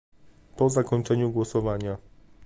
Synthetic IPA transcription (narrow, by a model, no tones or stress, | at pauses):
pɔzakɔɲt͡ʂɛɲuɡwɔsɔvaɲa